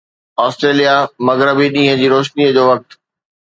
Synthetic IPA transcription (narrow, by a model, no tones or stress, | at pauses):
ɔːsʈɾeːlijamɐɡɾəbiɗĩːɦə̃d͡ʑiːɾoːʃniəd͡ʑoːʋɐk̚t̪